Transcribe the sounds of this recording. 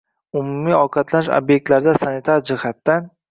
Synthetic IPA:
ʊmumiɒqʰɑt̪lanɪʃo̰bjek̚t̪laɾd̪asanit̪ʰaɾd͡ʒɪhat̪ːan

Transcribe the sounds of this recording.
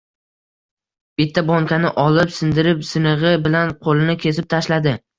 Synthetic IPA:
b̥ɪt̪ʰːabɒŋkʲanɪʔɒlɪpsɪnd̪ɪɾɪpsɪnɨʁɨbɪlanqʰolɪnɪkʲʰe̞s̬ɪp̚t̪ʰaʃlad̪ɪ

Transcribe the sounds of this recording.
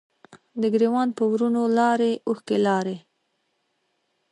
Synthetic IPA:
d̪əɡɾewɑnpəwɾunolɑɾeuxkelɑɾe

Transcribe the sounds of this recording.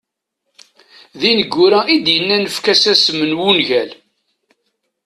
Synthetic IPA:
ðinəɡːʊɾæʔid̪jənːænəfkæsæsmənwunʝæl

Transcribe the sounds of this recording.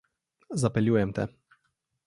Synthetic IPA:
zapɛlʲiwɛmt̪ɛ̰

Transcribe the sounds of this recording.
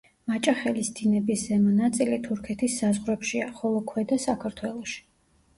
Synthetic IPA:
mat͡ʃʼaχɛlisd̪inɛbiszɛmɔnat̪sʼilit̪ʰuɾkʰɛt̪ʰisːazʁɾɛpʃiaχɔlˠɔkʰwɛd̪asakʰaɾt̪ʰwɛlˠɔʃi̥

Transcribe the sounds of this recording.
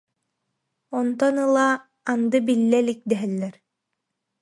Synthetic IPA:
ɔnt̪ɔnɯlˠaː | nd̪ɯbilːɛlik̚d̪ɛɦɛlːɛɾ

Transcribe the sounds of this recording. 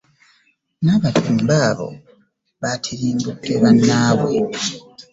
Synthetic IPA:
naβatʰuːmbaːβo̞̰ | βatʰiɾiːmbukːeβanːaːβwe

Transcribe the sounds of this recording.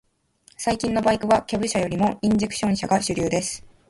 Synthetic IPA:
saikʲĩnːo̞baikɯ̟βakʲabɯ̟ɕajo̞ɾʲimo̞ĩɲd͡ʑekɯ̟̥ɕõ̞ɕaɡaɕɨɾʲɨːd̪e̞sɨ̥

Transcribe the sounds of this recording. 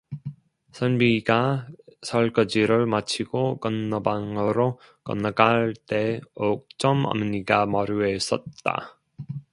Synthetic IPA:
sʰʌnbiɡasʰʌɭkʌd͡ʑiɾɯɭmat͡ɕʰiɡokʌnːʌbaŋɯɾo | kʌnːʌkaɭt͈e̞ok̚t͡ɕ͈ʌmʌ̰mɲiɡamʌɾues͈ʌt̚t͈a̰

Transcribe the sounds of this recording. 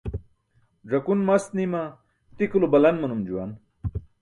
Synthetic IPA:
ʐɐkunmɐst̪nima | t̪ikulobɐlɐnmɐnumd͡ʑuwa̰n

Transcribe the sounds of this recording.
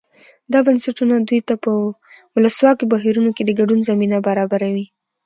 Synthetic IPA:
d̪ɑbansaʈunad̪ujt̪apə | wʊləswɑkobaɦiɾunoked̪əɡaɖunzaminabaɾɑbaɾawi

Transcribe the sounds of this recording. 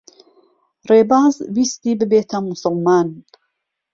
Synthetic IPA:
reːbaːzbist̪iːbɨbeːt̪ʰɐmusɨlmaːn

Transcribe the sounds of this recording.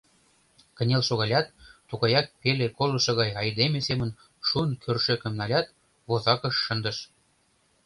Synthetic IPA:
kə̆nʲelʃoɣɑlʲɑt̪ːuɣɑjɑk̚pelekolɤ̆ʃɤ̆ɣɑjɑjd̪emesemə̆n | ʃuənkʰørʃøkə̆mnɑlʲɑt̪̚ | βozɑkɤ̆ʃːə̆nd̪ə̆ʃ

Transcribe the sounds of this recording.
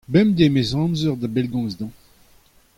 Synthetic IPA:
bɛmd̪emezɑ̃nzœʁd̪abɛlɡɔ̃zd̪ɑ̃

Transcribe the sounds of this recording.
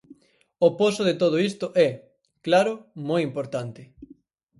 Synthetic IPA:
oposʊðet̪oð̞oist̪ʊʔɛ | klaɾʊmojimpoɾt̪ant̪ɪ

